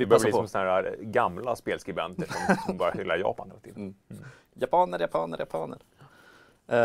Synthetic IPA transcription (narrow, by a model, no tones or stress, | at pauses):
ɛbœɾvisɔmsnhæːɾaɡamlaspeːlskɾɪbɛnt̪əʂɔmɔmbœːɾjaɾhʏlːajɑ̰ːpanɛ̰lat̪ʰiːv | japʰɑːnəɾjapʰɑːnəɾjapʰɑːnə̰ɾ